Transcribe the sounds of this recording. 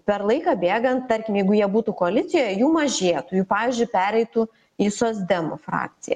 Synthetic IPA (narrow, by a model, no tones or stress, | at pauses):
pʲɛrlˠɐɪkɑːbʲeːɡɐnt̪t̪ɐɾʲkʲɪmjɛɪɡʊjiɛbuːt̪ukoɐlʲɪt̪sʲɪjoːjɛjuːmɐʒʲeːt̪ujuːpɑːʋʲizʲd͡ʒʲʊɪpʲæːɾʲɛɪt̪u | iːsoːzʲd̪ʲɛmʊfɾɑ̰ːk̚t̪sʲɪjɛ̰